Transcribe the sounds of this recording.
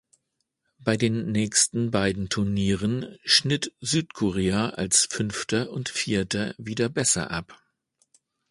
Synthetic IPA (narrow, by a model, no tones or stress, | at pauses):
b̥aɪdeːnːɛːçstn̩baɪdn̩tʰʊɐniːʁənʃnɪtz̥yːtkʰɔʁeːaa̰lsfʏnftʰɐʔʊntfiːɐtɐviːdɐbɛsɐ̰ʔa̰p